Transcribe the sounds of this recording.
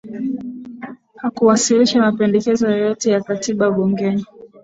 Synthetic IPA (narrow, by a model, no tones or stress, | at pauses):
hakuwasiliʃamapɛndɛkɛzɔjɔjɔtɛjakatiɓaɓuŋɡɛɲi